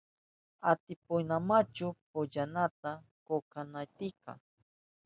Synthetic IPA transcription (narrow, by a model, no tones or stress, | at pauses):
at̪ɪpʊjnamat͡ʃʊpʊʎanat̪akokanajt̪ɪka̰